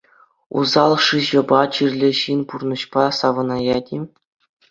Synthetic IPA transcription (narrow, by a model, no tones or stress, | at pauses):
ṵzɑlˠʂɯʑɤ̆bɑt͡ɕirʲlʲɘ̆ɕinʲpurnɤ̆ɕpɑsɑʋɤ̆nɑjɑdʲi